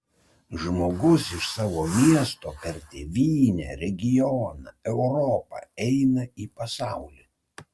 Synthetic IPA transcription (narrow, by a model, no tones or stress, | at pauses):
ʒmoːɡʊsɪʃsɑːʋoːmʲiɛst̪oːpʲɛɾt̪ʲeʋʲiːnʲɛ̰ːɾʲɛɡʲɪjɔːnɐ̰ɛʊɾɔːpɐ̰ɛɪnɐiːpɐsɑˑʊlʲe